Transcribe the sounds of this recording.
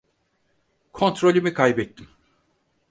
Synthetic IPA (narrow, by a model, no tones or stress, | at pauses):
kʰo̞nt̪ɾo̞lʲimikʰajbɛt̪ʰːim